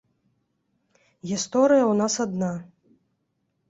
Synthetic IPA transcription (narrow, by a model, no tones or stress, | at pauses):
ɣʲist̪ɔɾɨjɐunasɐd̪na